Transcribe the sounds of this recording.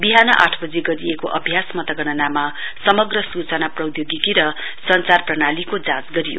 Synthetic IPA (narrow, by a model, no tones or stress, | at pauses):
biɦanʌʔa̰ʈʰbʌd͡zeɡʌɾiekoʔʌbʱjasmʌt̪ʌɡʌɽʌnama | sʌmʌɡrʌsut͡sʌnaprʌwd̪joɡikiɾʌ | sʌnt͡sarprʌnalikod͡zat͡sɡʌɾijo̰